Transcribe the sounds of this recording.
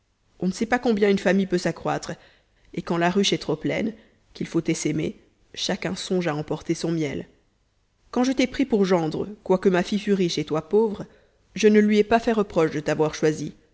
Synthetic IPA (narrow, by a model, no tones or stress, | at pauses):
ɔ̃nəsɛpakɔ̃bjɛ̃ynfamijpøsakχwa̰t̪χ | ekɑ̃laʁyʃɛt̪χoplɛ̰n | kilfot̪ɛsɛmḛ | ʃakʲɛ̃sɔ̃ʒaɑ̃pɔʁt̪esɔ̃mjɛl | kɑ̃ʒət̪ɛpχipuʁʒɑ̃d̪ʁəkwakəmafifyʁiʃet̪wapovʁ | ʒənəlɥiɛpafɛʁəpχɔʃd̪ət̪avwaʁʃwazi